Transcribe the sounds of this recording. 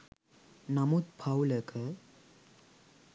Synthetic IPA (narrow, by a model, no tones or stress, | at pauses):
namut̪̚pʰawləkʰə